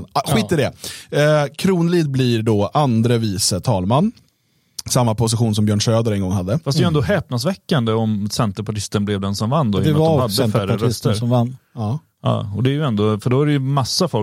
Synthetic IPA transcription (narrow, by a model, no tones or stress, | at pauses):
ɧiːt̪ːɪɖɛ | kʰɾuːnliːd̪̚bliːɾɖɔːʔand̪ɾəviːsət̪ʰɑːlmanː | samːapʰʊs̬ɪɧuːns̬ɔmbjœːɳʂøːd̪əɾɛnɡɔŋːɦad̪ːəfasd̪ɛjɛnd̪oɦɛːp̚nas̬vɛkːand̪əɔmsɛnt̪əɾpʰaʈɪst̪ənblɛvd̪ɛnsɔmvanːd̪oːvahad̪ːəfæɾəɾœst̪əɾɔmvanːɑː | ɑ̰ːɔd̪ɛːɾjɵɛnd̪ofœɖoaɾɛjɵmasːafɔl